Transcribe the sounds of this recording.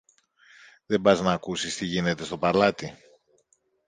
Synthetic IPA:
ðe̞bɐznɐːkusist̪iʝine̞t̪e̞st̪o̞pɐɾlɐt̪i

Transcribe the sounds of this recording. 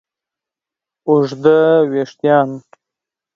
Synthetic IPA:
ʊʐd̪əweʂt̪jɑːn

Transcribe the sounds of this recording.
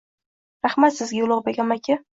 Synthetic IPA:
ɾaχmat̪sɪzɡʲajʊlˠɒʁbeɡʲamakʲʰɪ

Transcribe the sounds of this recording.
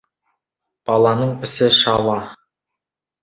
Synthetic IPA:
b̥ɑlˠɑnəɴɪsɪʃɑwɑ

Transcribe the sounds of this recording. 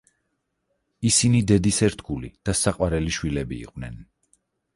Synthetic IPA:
isinid̪ɛd̪isɛɾt̪ʰɡulḭd̪̥asaqʼwaɾɛliʃwilɛbḭːqʼwnɛ̰n

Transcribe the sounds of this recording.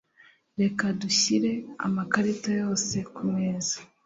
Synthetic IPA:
ɾe̞kaduçiɾe̞a̰makaɾitojo̞ːse̞kumeːzḁ

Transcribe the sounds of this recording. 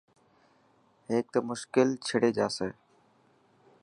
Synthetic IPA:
ɦeːk̚t̪oːmʊʃkɪlt͡ʃʰɪɽeːd͡ʒaːseː

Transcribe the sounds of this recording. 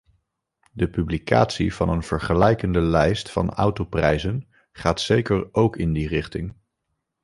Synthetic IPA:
dəpyblika̰ːtsḭv̥ɑnənv̥əɹχəlɛjkəndəlɛjstfɑ̰na̰wtoprɛjzən | χaːtsejkəɹowkɪndirɪχtɪŋ

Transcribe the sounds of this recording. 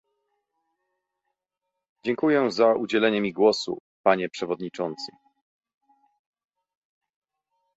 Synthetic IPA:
d͡ʑɛŋkujɛzaʔud͡ʑɛlɛɲɛmʲiɡwɔsṵpaɲɛpʂɛvɔd̪ɲit͡ʂɔnt̪sɘ̰

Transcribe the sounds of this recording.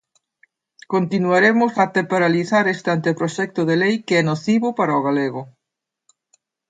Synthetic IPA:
kont̪inuaɾemʊsat̪epoɾaliθaɾest̪ant̪ɪpɾoʃɛk̚t̪ʊðelejkeɛnoθiβʊpaɾaoɣaleɣʊ

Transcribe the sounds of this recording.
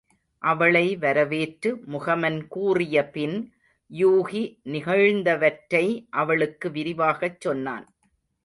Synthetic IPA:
ʔɐʋɐɭɐɪʋɐɾɐʋeːʈɾɯmʊɣɐmɐnkuːrɪjɐpɪn | juːɣinɪɣɐɻnd̪ɐʋɐʈɾɐɪʔɐʋɐɭɯkːɯʋɪɾɪʋaːɣɐt͡ʃːɔnːa̰ːn

